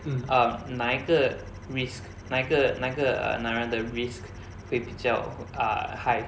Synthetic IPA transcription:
ʔamnãiɡə | ɹisk | nãiɡənãiɡəə̰nãɹãdəɹisk | hwebid͡ʒjaʊa̰haɪ

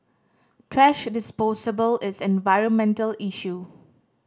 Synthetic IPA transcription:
tʰɹɛʃdɪspɔsəbəlɪsɛ̃nvaɪɹə̃nmɛ̃ntəliʃu

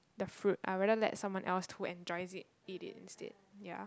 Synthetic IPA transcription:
dəfɹut̚a̰ɹɛdəlɛ̰tsãmwɔ̃nʔɛ̰lshuɛ̃nd͡ʒɔɪzit̚ | itɪ̰tḭ̃nstɛ̰d̚ja̰

